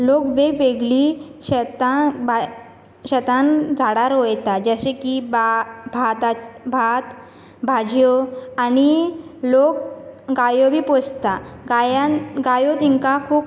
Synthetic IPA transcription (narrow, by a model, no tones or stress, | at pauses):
lokʋeɡʋeɡliɛt̪ab | ɕɛt̪and͡zʱaɽaɾojt̪ad͡ʑəɕekibabʱat̪abʱat̪ | bʱad͡ʑjɔanilok̚ɡajobʱiːpɔst̪aɡajaɡajot̪iŋkakʰuːp